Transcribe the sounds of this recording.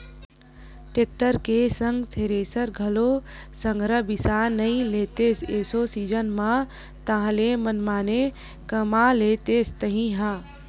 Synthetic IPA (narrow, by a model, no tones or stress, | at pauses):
ʈeːk̚ʈəɾkesə̃ŋɡt̪ʰeːɾeːsəɾɡʱɐlo | sə̃ŋɡɾəbɪsanɐĩleːt̪eːsesosid͡ʒənmã | t̪aɦãlemənmaːne | kəmaleːt̪eːst̪əɦĩɦã